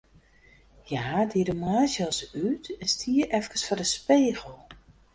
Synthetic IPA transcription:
jaːdiədəmaːzəlˠsytɛnstʰiəʔɛfkəsfɔdəspeːɣəl̩ˠ

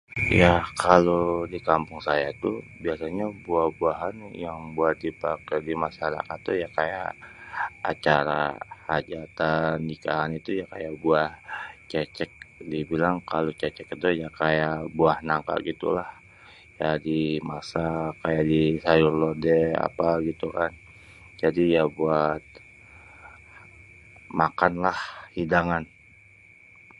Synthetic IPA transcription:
jakalodikampʊŋsajat̪u | biasaɲabuahbuaɦanjaŋbuat̪̚dipakadimaʃaɾa̰kat̪ːujakaja̰ʔ | a̰t͡ʃaɾa̰had͡ʒat̪anikaɦanit̪ujakajaʔbuaht͡ʃɛt͡ʃɛk̚dibilaŋkalot͡ʃɛt͡ʃɛkd̪ojakajaʔbuahnaŋka̰ʔɡit̪ṵlah | jadimasakajaʔdisajʊrlɔrdea̰paɡit̪ukan | d͡ʒadijabuat̪̚ | makanlahhidaŋan

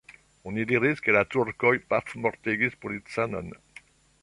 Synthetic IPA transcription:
ɔ̃nid̪iʁiskelat̪uɾkɔjpafmɔʁt̪eɡispolit̪sanɔ̰n

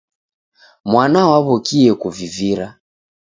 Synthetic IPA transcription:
mwanawaβɔkiɛkuviviɾa

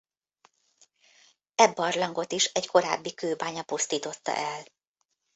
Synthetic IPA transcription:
ɛbːɒrlɒŋɡo̞t̪iʃɛɟkʰo̞ɾa̰ːbːikøːbaːɲɒpust̪iːt̪o̞t̪ːɒ̰ʔɛl

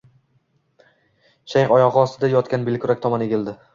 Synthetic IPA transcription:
ʃajχɒjɒʁɨɒst̪ʰɪd̪ajɒt̪kʲanbɪlkʰʲʊɾak̚ʲt̪ʰɒmane̞ɡʲɪld̪ɪ

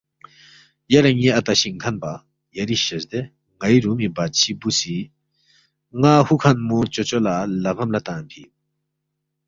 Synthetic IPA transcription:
jaɾaŋiʔɐt̪aɕiŋkʰanpa | jɐɾiɕəzd̪ɛ | ŋajiɾumibat̪̚t͡ɕʰibusi | ŋahukʰanmut͡ɕɔt͡ɕɔlalɐɣɐmlat̪anpʰi

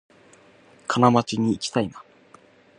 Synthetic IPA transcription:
kʰanamat͡ɕiɲ̟iːkʲi̥t̪aina

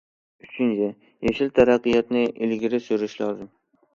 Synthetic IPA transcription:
yt͡ʃʰɪnt͡ʃʰɪ | jeʃɪlt̪ʰaɾaqːɨjɑt̪nɪʔɪlɡʲɪɾɪsoɾɪʃlɒːzɨm

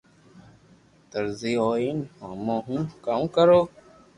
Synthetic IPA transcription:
t̪əɾziːɦoːiːnhoːmõːɦũːkamkəɾoː

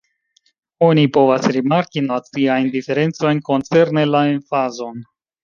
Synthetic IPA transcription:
o̞nipo̞vasɾimaɾkinat͡siajndife̞ɾe̞nt͡so̞jnko̞nt͡se̞ɾne̞laenfazo̞n

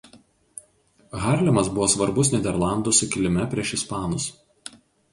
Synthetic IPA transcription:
ɣɑˑɾʲlʲɪmɐsbʊʋoːsʋɐɾbʊsnʲɛd̪ʲɛɾlˠɑˑnd̪ʊsʊkʲɪlʲɪmʲɛpʲɾʲiɛʃɪspɑːnʊs

